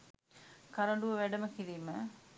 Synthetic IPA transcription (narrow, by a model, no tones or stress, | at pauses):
kɐɾɐɳɖuʋɐʋæɖɐmɐkiɾimɐ